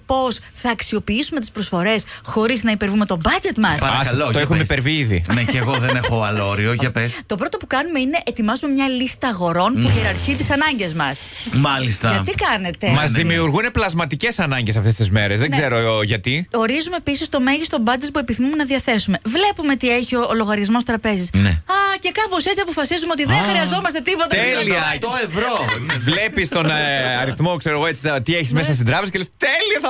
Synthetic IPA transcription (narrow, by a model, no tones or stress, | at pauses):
po̞s | θɐːksio̞piisume̞t̪̬ispɾo̞sfo̞ɾe̞sxo̞ɾiznɐipe̞ɾvume̞t̪o̞bɐd͡ze̞t̪mɐsɐɾɐkɐlotoexumeipeɾviðḭneeɣoðenexoɐloɾioʝɐpest̪o̞pɾo̞t̪o̞pukɐnume̞ine̞ʔet̪imɐzume̞mɲɐlist̪ɐɣo̞ɾo̞npuʝeɾɐɾçit̪isɐnɐɲɟe̞zmɐsmɐlist̪ɐɐikɐne̞t̪e̞mɐzðimiuɾɣuneplɐzmɐt̪ice̞sɐnɐɲɟe̞sɐft̪e̞st̪izme̞ɾezðeɡze̞ɾoʝɐt̪io̞ɾizume̞ːpisist̪o̞me̞ʝist̪o̞bɐd͡zispue̞piθimumenɐðiɐθe̞sume̞vle̞pume̞t̪ieçioːloɣɐɾʝɐzmo̞st̪ɾɐpe̞zisnḛɐce̞kɐpo̞se̞t͡siɐpo̞fɐsizumeo̞t̪̬iððenxɾiɐzo̞mɐst̪e̞t̪ipo̞t̪ɐeliɐoevvɾovle̞pist̪o̞nɐɾiθmo̞kseɾoɣoet͡sit̪t̪ieçi̥zmesɐst̪id̪ɾɐpez̬ɐcelest̪eliɐθɐ